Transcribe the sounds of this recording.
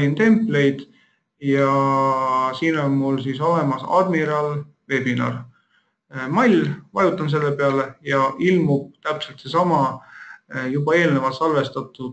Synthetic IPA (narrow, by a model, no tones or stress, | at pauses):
int̪e̞mpːˑle̞jd̪̥ | jɑ | siːno̞nmulsiso̞le̞mɑsɑ̰d̪̥miɾɑl | ve̞binɑ̰r | mɑlʲvɑjut̪ːˑɑms̬e̞lːepe̞ɑlejɑʔilmub̥̚t̪æpselt̪se̞sɑmɑ | jubɑe̞ːlnevɑt̪sɑlve̞st̪ɑt̪ːˑud̪̥